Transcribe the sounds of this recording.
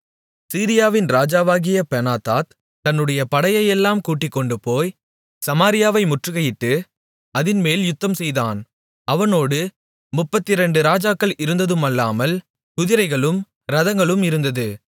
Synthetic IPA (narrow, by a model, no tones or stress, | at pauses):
siːɾɪjaːʋɪnɾaːd͡ʒaːʋaːɣɪjɐpɛnaːt̪aːt̪ | t̪ɐnːɯɽɐjɐpɐɽɐjɐjɛlːaːmkuːʈːɪkːɔɳɖɯpoːj | sɐmaːɾɪjaːʋɐɪmʊʈrɯɣɐjɪʈːɯ | ɐðɪnmeːljʊt̪ːɐmsɛjða̰ːn | ɐʋɐnoːɽɯ | mʊpːɐt̪ːɪɾɛɳɖɯɾaːd͡ʒaːkːɐɭɪɾɯnd̪ɐðɯmɐlːaːmɐl | k̪ʊðɪɾɐɪɣɐɭɯm | ɾɐðɐŋɡɐɭɯmɪɾɯnd̪ɐðɯ